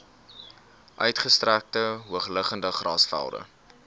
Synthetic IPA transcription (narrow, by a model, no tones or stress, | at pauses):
ʔœɥtχəstræk̚təɦuəχləχəndəχrɑ̰ːsfæ̰lˠdə̰